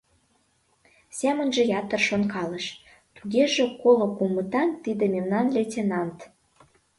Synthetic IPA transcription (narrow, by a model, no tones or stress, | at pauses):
sʲæmə̆nʒĕjɑt̪ə̆rʃonkɑləʃ | t̪uɣeʒĕkolŏkumət̪ɑnt̪id̪ememnɑnletʲenɑnt̪